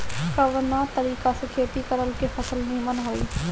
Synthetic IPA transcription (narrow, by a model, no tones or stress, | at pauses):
kəʋnãt̪əɾiːkasɪkʰeːt̪ikəɾəlkefʰɐsəlnĩmənɦoːḭː